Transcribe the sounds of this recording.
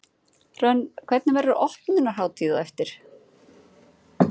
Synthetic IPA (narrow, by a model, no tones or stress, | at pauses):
rœnːkʰv̥ɛt̪nɪvɛɾʏɾʔɔht̪nɪnːaɦaːwt̪ʰiːðaɛft̪ɪɾ̥